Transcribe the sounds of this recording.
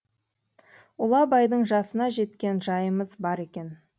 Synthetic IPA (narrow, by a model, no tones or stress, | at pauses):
ʊlˠɑbɑjd̪əɴʒɑsənɑʒe̞t̪kʲe̞nʒɑjəməzbɑɾe̞kʲe̞n